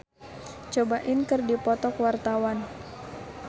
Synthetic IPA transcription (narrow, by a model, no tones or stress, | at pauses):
t͡ʃobaʔɪnkɨrdipɔt̪ɔkwart̪awan